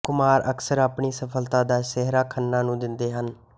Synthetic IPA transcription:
kʊmaːɾʔə̰ksəɾaːpɳiːsəpʰəlt̪ãːd̪aːsɛɦɾaːkʰənːãːnũːd̪ɪnd̪eːɦən

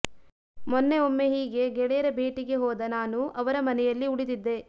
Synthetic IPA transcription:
mɔnːeomːe̞ɦiːɡe̞ɡɛɭɛjɐɾɐbʱeːʈiɡe̞ɦɔːd̪ɐnaːnuʔɐʋɐɾɐmɐnɛjɐlːiuɽid̪id̪ːe̞

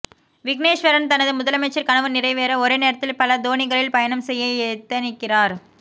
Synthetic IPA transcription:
ʋɪkneːʂʋɐɾɐnt̪ɐnɐðɯmʊðɐlɐmɐɪt͡ʃːɐɾkɐɳɐʋɐnɪrɐɪʋeːɾɐɔɾeːneːɾɐt̪ːɪlpɐlɐd̪oːɳɪɣɐɭɪlpɐjɐnɐmsɛjːɐɪɛt̪ːɐnɪkːɪraːɾ

